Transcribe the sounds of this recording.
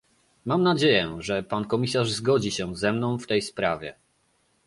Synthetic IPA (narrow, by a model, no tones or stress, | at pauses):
mamnad͡ʑejɛʐɛpankɔmʲisaʐzɡɔd͡ʑiɕɛzɛmnɔ̃w̃ft̪ɛjspɾavʲjɛ̰